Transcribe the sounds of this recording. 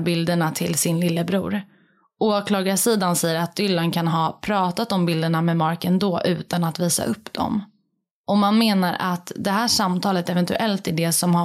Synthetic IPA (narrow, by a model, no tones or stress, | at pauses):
bɪld̪əɳat̪ʰɪlsɪnlɪlːəbɾṵːɾ | ʔoːkʰlɑːɡasiːd̪ansɛjːəɾat̪̚d̪ʏlːankʰanɦɑːpʰɾɑːt̪at̪ɔmbɪld̪əɳamɛmɑɾkənd̪oːʔʉ̟ːt̪anat̪viːsa̰ʔɵpːd̪̥ɔ̰m | ʔɔmanmeːnaɾʔa̰t̪d̪ɛɦæːʂamt̪ʰɑːlət̪ɛvɛnt̪ɵ̰ʔɛlt̪æɖɛsɔmha